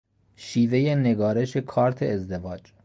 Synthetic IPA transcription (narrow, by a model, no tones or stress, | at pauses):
ʃiːvejeneɡɒːɾe̞ʃekʰɒːɾt̪ʰeːzd̪evɒːd͡ʒ